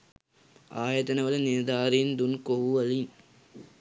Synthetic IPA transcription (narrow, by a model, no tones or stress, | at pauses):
aːjɐt̪ɐnɐʋɐlɐnɪɾd̪aːɾind̪unkoɦɐlin